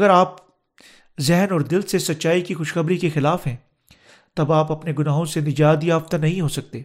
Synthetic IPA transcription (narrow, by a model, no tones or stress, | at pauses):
ɡəɾaːp | zɛɦnɔːɾd̪ɪlsesɐtːʃaːikixʊʃxɐbɾikexɪlaːfɦɛ̃ː | t̪ɐbaːpɐpneɡʊnaːɦõsenɪd͡ʒaːt̪jaːft̪anɐɦĩɦosɐk̚t̪eː